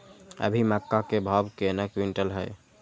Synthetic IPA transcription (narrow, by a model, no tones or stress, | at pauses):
ə̰bʱimakːakebʱabkenəkwiɳʈəlɦə̰j